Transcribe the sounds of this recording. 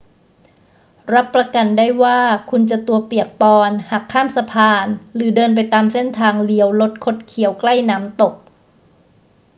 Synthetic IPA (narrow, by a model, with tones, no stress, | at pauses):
ɾa˦˥pːɾa˧ka˧ndaː˥˩jwaː˥˩kʰu˧nt͡ɕa˨˩t̪u˧ɐpi˨˩ək̚pɔː˧nha˨˩kʰːaː˥˩msa˧pʰaː˧nlɯː˩˦dɤː˧np̬a˧jt̪aː˧mse˥˩nt̪ʰaː˧ŋli˧˩əwlo˦˥t̪̚kʰo˦˥t̪̚kʰi˩˦əwkla˥˩jnaː˦˥mt̪o˨˩k̚